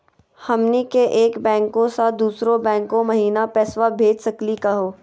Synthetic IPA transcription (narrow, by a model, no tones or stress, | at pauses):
hɐmnikeʔeːkbɛ̃ːŋkõsad̪uːsɾõbɛ̃ːŋkõmɐɦiːnapɛːswabʱeːd͡ʒsɐklikɐɦoː